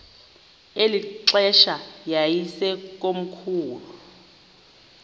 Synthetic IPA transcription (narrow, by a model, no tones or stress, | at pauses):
eliǁɛʃajajisɛk̬ʼom̩kʰuːlu